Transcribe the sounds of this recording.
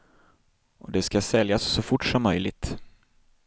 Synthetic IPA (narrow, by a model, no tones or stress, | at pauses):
ʔɔd̪ɛskasɛljasːɔfʊʈʂɔmːœjlɪɡ̚t̪